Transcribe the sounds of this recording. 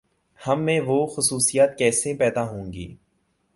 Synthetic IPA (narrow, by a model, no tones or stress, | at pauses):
hɐmːẽʋoxʊsuːsijaːt̪̚kɛːsepɛːd̪aɦõːŋɡḭː